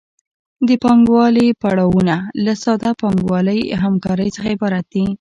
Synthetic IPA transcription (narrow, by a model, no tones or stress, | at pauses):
d̪əpɑŋɡwɑlipaɽɑwunalasɑd̪apɑŋɡwɑləjɦamkɑɾəjt͡səxaepɑɾat̪̚d̪i